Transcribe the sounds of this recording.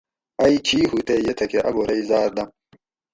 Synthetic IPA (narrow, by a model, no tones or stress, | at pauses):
ɐikʰiːhut̪ejet̪ʰɐkeʔɐ̰ɡoːɾɐizaːɾd̪ɐm